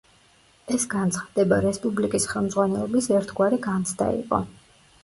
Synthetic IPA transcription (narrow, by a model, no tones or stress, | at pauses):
ɛsɡant̪sʰχad̪̥ɛbaɾɛspʼublikʼisχɛlˠmd̪zʁwanɛlɔbisɛɾt̪ʰɡwaɾɛɡant̪sʰd̪a̰ḭqʼɔ̰